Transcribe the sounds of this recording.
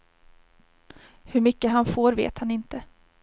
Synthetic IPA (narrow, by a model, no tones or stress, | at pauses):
hɵɾmʏkːəɦanfoːɾvḛːt̪hanɪnt̪ə